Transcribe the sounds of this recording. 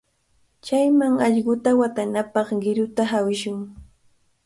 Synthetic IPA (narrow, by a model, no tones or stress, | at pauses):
t͡ʃajmaŋɑʎɢʊt̪awat̪anapɑχɢɪɾʊt̪aɦawɪʃʊŋ